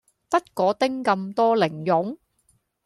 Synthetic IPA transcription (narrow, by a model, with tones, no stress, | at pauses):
pɐ˥t̚kɔː˨˥t̪ɪ˥ŋkɐ˧mt̪ɔː˥lɪ˨˩ŋjʊ˨˥ŋ